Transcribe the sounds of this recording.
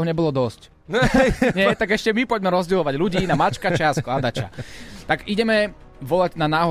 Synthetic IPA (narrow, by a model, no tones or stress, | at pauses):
ɦɔɲɛbɔlɔd̪ɔsc | ɲɛt̪aɡɛʃcɛmipɔɟmɛɾɔzɟɛlɔʋaɟluɟiːnamat͡ʃkat͡ʃɛasklad̪at͡ʃa̰t̪aɡiɟɛmɛ | ʋɔlaɟnanaːɦɔ